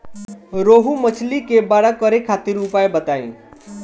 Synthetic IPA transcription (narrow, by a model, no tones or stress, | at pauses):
ɾoɦumət͡ʃʰlikebaɽakəɾekʰat̪iɾupaebət̪aḭ̃